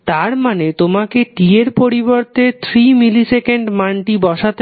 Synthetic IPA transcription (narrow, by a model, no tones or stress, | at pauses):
t̪aɾmanet̪omakeʈieɾpoɾiboɾt̪et̪ʰɾimilisekeɳɖmaɳʈibɔʃat̪e